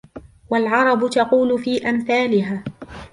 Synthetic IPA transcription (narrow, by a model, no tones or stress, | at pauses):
walʕɑɾˤɑbʊt̪ɑquːlʊfiːʔamθaːlɪɦaː